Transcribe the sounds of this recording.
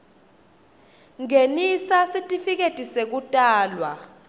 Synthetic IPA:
ŋenisasitʼifik̬etʼisek̬utʼaːlwa

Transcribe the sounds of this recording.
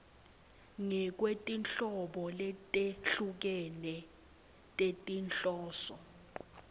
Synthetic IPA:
ŋɛk̬wetʼinɬɔɓɔlɛtʼeɬuk̬ɛnɛ | tʼetʼinɬɔːsɔ

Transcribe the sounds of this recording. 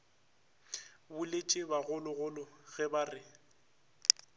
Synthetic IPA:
bʊlet͡ʃʼɪbaɣʊlʊɣʊlʊɣɛbarɪ

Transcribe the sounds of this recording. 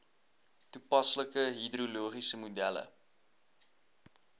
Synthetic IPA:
tupɐsləkəɦidruluəχisəmudælə̰

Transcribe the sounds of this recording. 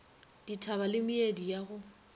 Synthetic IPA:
d̥itʰaβalɪmiedijaɣʊ

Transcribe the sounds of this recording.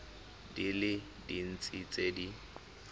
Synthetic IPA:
dilɪ | din̩t͡sʼit͡sʼedi

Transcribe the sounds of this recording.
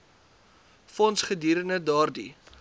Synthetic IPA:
fɔnsχədiːɾənədɑːrdi

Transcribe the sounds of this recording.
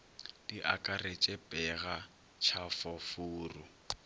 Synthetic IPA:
d̥iʔa̰kʼaret͡ʃʼɛpʼɛɣa | t͡ʃʰafɔfuːrʊ

